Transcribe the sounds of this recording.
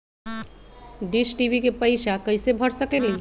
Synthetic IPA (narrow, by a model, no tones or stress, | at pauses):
ɖisʈibikepəɪʃakəɪsebʱəɽsəkeli